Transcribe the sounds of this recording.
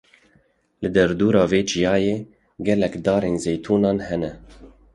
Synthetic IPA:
lɨd̪ɛɾd̪uːɾɑːveːd͡ʒijɑːjeː | ɡɛlɛkd̪ɑːɾeːnzeːjt̪ʰuːnɑːnhɛnɛ

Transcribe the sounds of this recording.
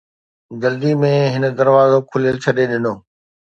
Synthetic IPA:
d͡ʒɐld̪imẽɦɪnə̆d̪ɐɾʋaːzokʰʊljəlt͡ɕʰɐɗeɗɪnoː

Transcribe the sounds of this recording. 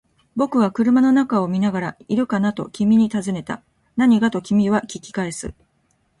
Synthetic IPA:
bo̞kɯ̟βakɯ̟ɾɯ̟mano̞nakao̞mʲinaɡaɾaiɾɯ̟kanat̪o̞̰kʲimʲiɲ̟it̪azɨne̞t̪a̰ | naɲ̟iɡat̪o̞kʲimʲiβakʲikʲi̥kae̞sɨ̰

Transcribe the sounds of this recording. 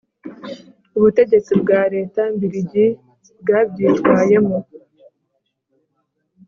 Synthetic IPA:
uβute̞ɟe̞t͡sibɡaːɾe̞ːtambiɾiɟi | bɡaːbɟiːtwaːje̞mo

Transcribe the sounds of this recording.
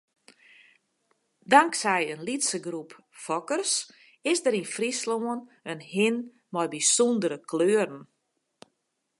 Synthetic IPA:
daŋksɛjənlitsəɡrup | fɔkərs | ɪsdəɾinfrisloənənhɪn | mɔjbisɔndəɾəkløːərn̩

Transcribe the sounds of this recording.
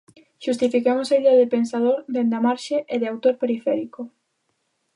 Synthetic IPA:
ʃust̪ifikemosaiðeaðɪpensað̞oɾd̪end̪amaɾʃeʔeðɪawt̪oɾpeɾifɛɾiko

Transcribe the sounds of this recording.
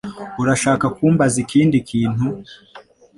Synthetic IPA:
uɾaʃaːkakuːmbazikʰiːndikʰiːn̥hu

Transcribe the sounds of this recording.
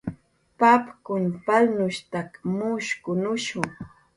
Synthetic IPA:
papkʊnpalnʊʃt̪akmʊʃkʊnʊʃʊŋ

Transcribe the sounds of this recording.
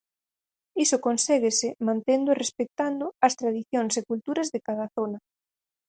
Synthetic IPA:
isokonsɛɣesɪmãnt̪end̪ʊerespek̚t̪and̪ʊɐst̪ɾaðiθjoŋsekult̪uɾɐzðekaðɐθonɐ

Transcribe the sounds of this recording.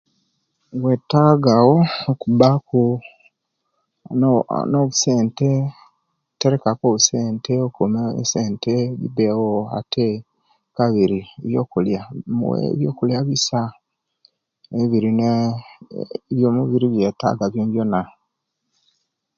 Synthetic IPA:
wetaɡawokubaku | noβuse̞ːnte̞ | teɾekakoβuseːnteokumḛseːnteβḭbewoa̰tʰe | kaβiɾiβjo̞ːkuljawḛβjo̰ːkuljaβisa | eβiɾine | βjomuβiɾiβjeta̰ːɡaβjoːɲɟjona

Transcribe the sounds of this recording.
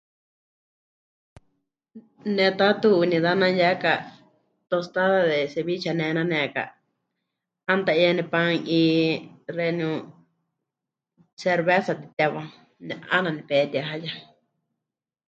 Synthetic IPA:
nẽt̪at̪uːnĩðanãjaka | t̪ost̪aðaðeseβit͡ʃanẽnãnẽka̰ | ãnd̪aianĩpãŋĩːrenũ | seɾβesat̪i̥t̪aβã | ɲãa̰nãnĩpet̪jaɦaja

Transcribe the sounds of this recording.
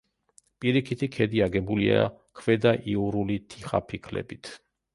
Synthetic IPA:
pʼiɾikʰit̪ʰikʰɛd̪iaɡɛbulia̰kʰvɛd̪aʔiuɾulit̪ʰiχa̰pʰikʰlɛ̰bit̪ʰ

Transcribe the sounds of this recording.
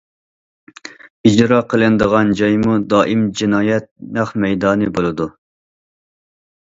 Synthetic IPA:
id͡ʒɾɑːqʰəlˠɨnd̪əʁɑnd͡ʒɑjmud̪ɑːʔimd͡ʒinɑːjɛt̪̚næχmɛjd̪ɑːnɨbolˠɨd̪u

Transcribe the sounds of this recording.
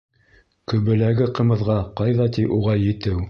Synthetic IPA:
kɵ̆βɘ̆læɡɘqɤ̆mɤ̆ðʁɑqɑjðɑt̪iʔuʁɑjɘ̆t̪ɘw

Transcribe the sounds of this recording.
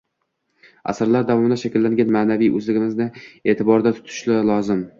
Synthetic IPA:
a̰saɾlaɾd̪avɒmɪd̪aʃakʲɪlːaŋɡʲanmaːnavijɵzlɪɡʲɪmɪznɪe̞ːt̪ʰɪbɒɾd̪at̪ʰʊ̥t̪ʰʊ̥ʃlɪlˠɒzɪm

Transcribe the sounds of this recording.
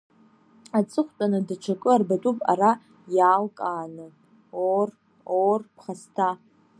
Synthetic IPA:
at͡sʼɨχʷtʼanɨdaʈ͡ʂʰakʼɨarbatʼupʼa̰ra | jaːlkʼaːnɨ | or | orpʰχastʰa

